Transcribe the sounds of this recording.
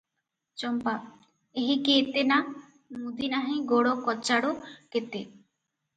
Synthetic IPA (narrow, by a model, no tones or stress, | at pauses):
t͡ʃɔmpa | eɦikeːt̪ena | mud̪inaɦĩɡoɽɔkɔt͡ʃaɽuket̪e